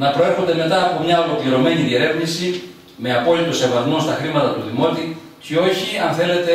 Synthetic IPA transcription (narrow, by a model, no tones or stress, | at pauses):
nɐpɾo̞eɾxo̞nd̪eme̞t̪ɐːpo̞mɲɐo̞lo̞kliɾo̞me̞niðie̞ɾe̞vnisi | me̞ɐpo̞lit̪o̞se̞vɐzmost̪ɐxɾimɐt̪ɐt̪uðimo̞t̪i | cio̞çiɐnθe̞le̞t̪e